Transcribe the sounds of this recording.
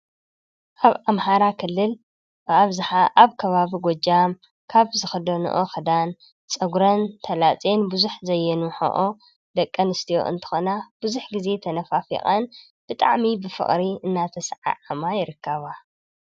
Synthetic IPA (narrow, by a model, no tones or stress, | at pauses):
ʔaβamhaɾakʰɨlːɨl | bɨaβzɨħaʔaβkʰɐβaβiɡʷod͡ʒam | kʰaβzɨxɨd̪ɐnṵʔoxɨd̪an | t͡sʼɐɡɾɐnt̪ʰɐlat͡sʼe̞nbuzuħzɐjːɛnuħo̰ʔo | d̪ɐkʼːɐnɨst̪ʰijo̞̰ʔɨ̰nt̪ʰɨ̥xonab̥ɨzuħɡize̞t̪ʰɐnɐfafḭχʼan | b̥ɨt̪ʼa̰ʕmibɨfɨ̰χʼɾiɨnːat̪ʰɐsʕa̰ʕamajɪɾɨkʰːaβa